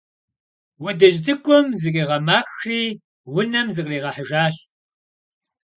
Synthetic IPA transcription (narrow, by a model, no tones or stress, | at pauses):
wɔdɐʒdɨkʷʼɔmzɨqʼiːʁɐmaːxriː | wʊnɐmzɨqʼriːʁɐħəʒaːɕ